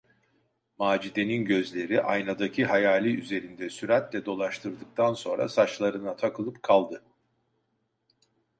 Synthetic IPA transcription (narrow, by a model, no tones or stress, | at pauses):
maːd͡ʒid̪e̞ninɟø̞zlʲe̞ɾiʔajnad̪acʰiɦajaːlʲiyze̞ɾind̪ɛsyɾat̪lʲɛd̪o̞lˠaʃt̪ʰɯɾd̪ɯk̚t̪ʰanso̞nɾa̰sat͡ʃlˠaɾɯnat̪ʰakʰɯlˠɯpkʰalˠd̪ɯ